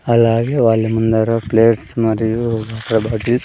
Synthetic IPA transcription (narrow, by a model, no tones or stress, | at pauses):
ɐlaːɡeʋaːlːemund̪ɐɾɐpleːʈsmɐɾiɡaːkɾɐbʱaːʈi